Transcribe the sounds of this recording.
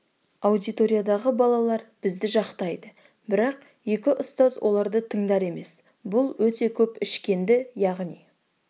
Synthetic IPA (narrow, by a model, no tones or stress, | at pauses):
awd̪it̪o̞ɾijad̪ɑʁəbɑlˠɑlˠɑɾb̥ɪzd̪ɪʒɑqt̪ɑjd̪ə | bɪɾɑq | je̞kʲɪʔʊst̪ɑzwʔo̞lˠɑɾd̪ət̪ʰəɴd̪ɑɾe̞me̞s | bʊlˠwɵt̪e̞kʲʰɵpɪʃkʲe̞nd̪ɪjɑʁnij